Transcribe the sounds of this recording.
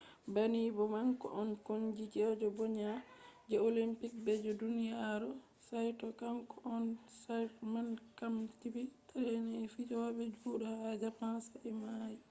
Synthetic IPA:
banibɔmaŋkɔ̰ʔɔnkond͡ʒid͡ʒɛd͡ʒɔbɔɲad͡ʒɛolimpik̚bɛd͡ʒɔdunijaɾɔ | sajtɔkamkɔʔɔnsajɾmankamtibitʰalɛnifid͡ʒɔwaɓɛd͡ʒuːɗɔhad͡ʒapansaʔɛmaji

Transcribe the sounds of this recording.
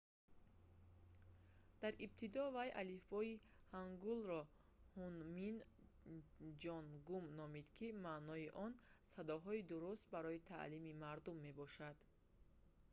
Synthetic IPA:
d̪̥aɾʔib̚t̪ʰid̪ɔvajʔalifbɔi | haŋɡulɾɔ | hunmin | d͡ʒɔnɡumnɔmid̪kʰimanɔiʔɔnsad̪ɔɦɔid̪uɾust̪̚baɾɔit̪ʰa̰ʔlimimaɾd̪umːe̞bɔʃad̪̥

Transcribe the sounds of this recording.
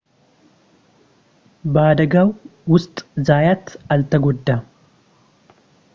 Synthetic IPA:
baːd̪ɐɡɐwwʊst̪ʼzaːjɐt̪ɐlt̪ɐɡɔd̪ːɐ

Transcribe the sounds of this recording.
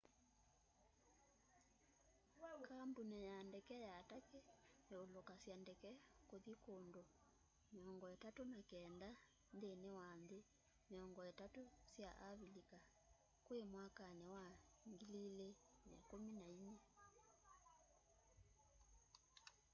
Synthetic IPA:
kambunejandɛkɛjatakeneolokasjandɛkɛkoðikondo | meɔŋɡɔɛtatonakɛnda | ndenewanðe | meɔŋɡɔɛtatosjaʔaβilika | kwemwakanewaŋɡilile | nɛ̰kominaiɲɛ

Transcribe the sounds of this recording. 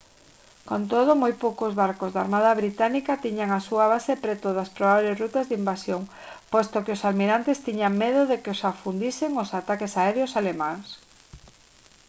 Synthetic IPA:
kont̪oð̞ʊmojpowkozβaɾkozðaɾmað̞aβɾit̪anikat̪iɲaŋasuaβ̞asepɾɛt̪oðaspɾoβaβlesrut̪azðimbasjoŋ | pojst̪okeʊsalmiɾant̪ɪst̪iɲaŋmeðʊðekɪosafund̪isɪŋosat̪akesaɛɾjosalemãŋs

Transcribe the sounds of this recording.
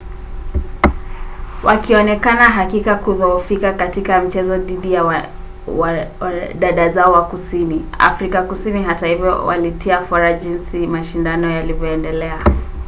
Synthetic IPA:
wʔakiɔnɛkanaɦakikakuðɔfikakatikam̩t͡ʃɛzɔðiɗija | w | ɗaɗazaɔwakusinia̰fɾikakusiniɦatahivjɔ̰wa̰litiafɔɾaʄinsimaʃindanɔjalivjɔɛndɛlɛa

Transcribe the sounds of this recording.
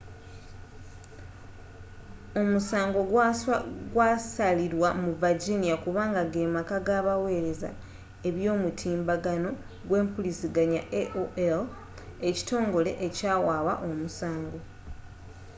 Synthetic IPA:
o̞musaːŋɡo̞ɡwɡwasaliɾwamuvaɟinijakuβaːŋɡaɡeːmakaɡaβawe̞ːɾe̞za̰ | e̞βjo̞ːmutʰiːmbaɡano̞ | ɡwe̞ːmpulisiɡaɲaʔeʔoel | e̞ci̥to̞ːŋɡo̞le̞̰ʔecaːwaːwa̰ʔo̞musaːŋɡo̞

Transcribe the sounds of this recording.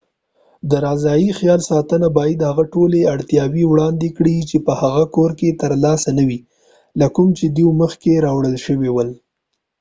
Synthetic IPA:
d̪əɾɑzɑjixjɑlsɑt̪ənabɑjad̪haɣaʈoleaɽt̪jɑwiwɽɑnd̪ekɽit͡ʃepəhaɣakoɾket̪əɾlɑsanawi | lakʊmt͡ʃed̪iməxkeɾɑwɽəlʃəwewəl

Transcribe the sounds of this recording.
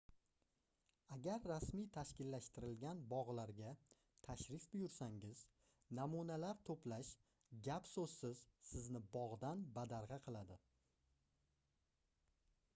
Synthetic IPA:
aɡʲaɾːasmijt̪ʰaʃkʲɪlːaʃt̪ɪɾɪlɡʲanbɒʁlˠaɾɡʲa | t̪ʰaʃɾɪfbʊjʊɾsaŋɪz̥ | namunalaɾt̪ʰoplaʃ | ɡʲapsɵz̥sɪzsɪznɪbɒʁd̪anbad̪aɾʁɑqʰɨlˠad̪ɪ

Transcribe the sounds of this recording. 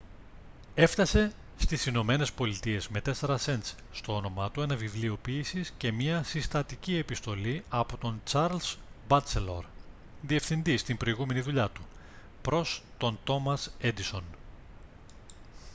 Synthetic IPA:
e̞ft̪ɐse̞ | st̪isino̞me̞ne̞spo̞lit̪ie̞zme̞t̪e̞se̞ɾɐse̞nt͡s | st̪o̞o̞no̞mɐt̪ue̞nɐvivlio̞piːsisce̞mɲɐsist̪ɐt̪icie̞pist̪o̞liɐpo̞t̪o̞nt͡sɐɾlz̥bɐselo̞̰ɾ | ðie̞fθind̪ist̪imbɾo̞iɣume̞niðuʎɐt̪u | pɾo̞st̪o̞nt̪o̞mɐse̞d̪iso̞n

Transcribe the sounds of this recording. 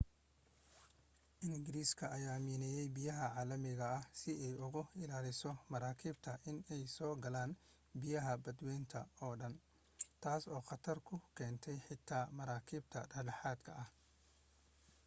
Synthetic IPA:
ʔɪnɡɪɾiːskʰɐʔɐjaːmiːnɛjɛjbijɐɦɐʕaːlɐmɪɣɐɐhsɪɛjʊɣʊɪlaːlɪsɔmɐɾaːkʰiːbt̪ʰɐʔɪnɛjsɔːɡɐlaːn | bɪjɐɦɐbɐd̪wɛːnt̪ʰɐ̰ɔːɖɐn | t̪ʰaːsɔːqɑt̪ʰɐrkʰʊkʰɛːnt̪ʰɛjħɪt̪ʰaːmɐɾaːkʰiːbt̪ʰɐ̰ɖɐħɖɐħaːd̪kʰɐʔɐh

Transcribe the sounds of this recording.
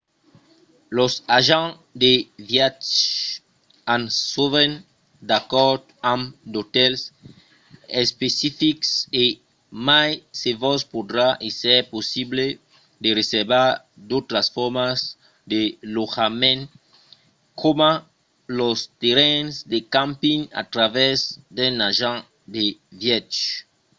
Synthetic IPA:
losaʒã | d̪evjatt͡ʃ | ãnsuven | d̪akɔɾd̪ãmd̪ot̪ɛls | espesifikse | majsevɔspod̪ɾaʔesɛɾposible | d̪ereseɾbaɾ | d̪ot̪ɾasfɔɾmas | d̪eloxamẽn | kʰoma | lost̪eɾɛnsd̪ekãmpĩŋa̰t̪ɾavɛzd̪enaʒã | d̪evjɛt͡ʃ

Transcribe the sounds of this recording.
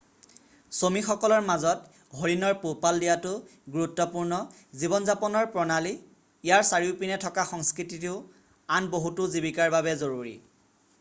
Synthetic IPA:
somixɔkɔlɔɹmazɔt | ɦoɹinɔɹpupaldijatʊɡuɹutːɔpuɹnɔ | zibɔnzapɔnɔɹpɹɔnaliː | jaɹsaɹiʊpinɛtʰɔkaxɔŋskɹititiʊ | anboɦutʊzibikaɹbaβɛzoɹuɹḭ

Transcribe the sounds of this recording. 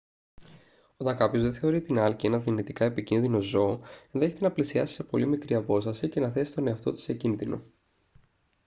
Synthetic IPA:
o̞t̪ɐŋkɐpço̞zðe̞θe̞o̞ɾit̪inɐlcie̞nɐðinit̪ikɐepicinðino̞zo̞nðe̞çet̪e̞nɐplisiɐsi̥se̞po̞limikɾiɐpo̞st̪ɐsice̞nɐθe̞si̥t̪o̞ne̞ɐft̪o̞t̪i̥secinðino̞̰

